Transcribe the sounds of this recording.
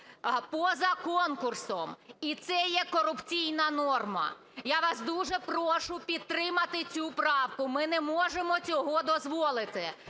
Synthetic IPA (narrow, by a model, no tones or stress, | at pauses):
pɔzɐkɔnkʊrsɔmit̪sɛjɛkɔɾʊpt͡sʲijnɐnɔrmɐ̰ | jaʋɑsd̪uʒɛpɾɔʃʊpʲid̪̚t̪ɾɪmɐt̪ɪt͡sʲupɾɑwkʊmɪnɛmɔʒemɔt͡sʲɔɦɔd̪ɔzʋɔlˠɪt̪ɪ